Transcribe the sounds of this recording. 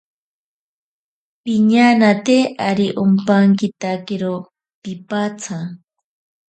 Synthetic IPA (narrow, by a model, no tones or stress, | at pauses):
piɲanat̪eaɾiʔumpaŋkit̪akeɾo | pipat͡sʰa